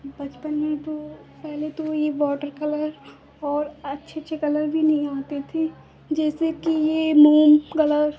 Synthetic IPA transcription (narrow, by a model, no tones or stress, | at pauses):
bɐt͡ʃpənmẽt̪opɛɦlet̪ojeʋɔːʈəɾkɐləɾ | ɔːɾɐtːʃʰeɐtːʃʰekɐləɾbʱinɐɦĩaːt̪et̪ʰe | d͡ʒɛːsekijemuːmkɐləɾ